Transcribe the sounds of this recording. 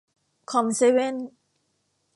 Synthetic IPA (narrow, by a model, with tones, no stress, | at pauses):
kʰɔ˧mse˦we˥˨n